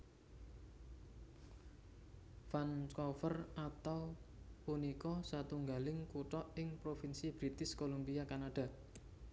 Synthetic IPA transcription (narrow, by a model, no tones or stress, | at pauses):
fanskɔfərʔat̪awpunikɔsat̪uŋɡalɪŋkuʈɔʔɪŋpɾofinsib̥ɾit̪ɪskolumbiakanaɖ̥a̤